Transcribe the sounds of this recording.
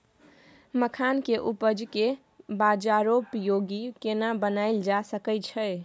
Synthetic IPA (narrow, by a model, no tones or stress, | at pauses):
məkʰankeʔupəd͡ʒke | bad͡ʒaɾopjoɡikenabənaɪld͡ʒasəkət͡ʃʰəj